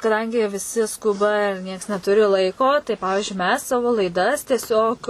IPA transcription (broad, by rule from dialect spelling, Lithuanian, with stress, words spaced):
kɐˈdɐŋʲɡʲɪ ʋʲɪˈsʲɪ ˈskʊbɐ ɪr ˈnʲiɛks nʲɛˈtʊrʲɪ ˈlˠɐɪkoː tɐɪ ˈpɑːʋʲɪʒʲʊɪ mʲɛs ˈsɑːʋoː lˠɐɪˈdɐs tʲiɛˈsʲoːk